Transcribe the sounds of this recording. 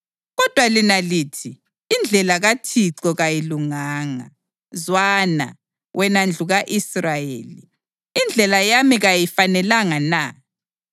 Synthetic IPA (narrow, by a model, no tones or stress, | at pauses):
ɣɔd̥ʱwalinalitʰiː | nd͡ɮʱɛlaɣatʰiǀɔɣajiluŋaːŋa̰ | zwana̰ | wʔɛnand͡ɮʱuɣaʔisrajḛːliː | nd͡ɮʱɛlajamiɣajifanɛlaŋana